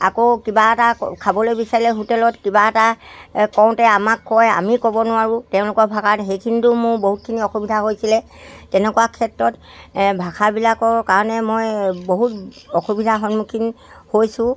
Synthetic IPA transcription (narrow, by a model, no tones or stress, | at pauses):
a̰kokibaɛtakʰabɔlojbisaɹilɛɦutɛlɔtkibaɛtakɔw̃tɛamakːɔja̰mikɔbɔnʊaɹʊtɛʊ̃lʊkɔbʱakʰatxejkʰinitʊmʊɹboɦut̚kʰiniɔxubidʱaɦojsilɛ | tɛnɛkuwakʰɛtɹɔt | bʱakʰaɹbilakɔkaɹɔnɛmojboɦutɔxubidʱaxɔnmukʰin | hojsʊ̃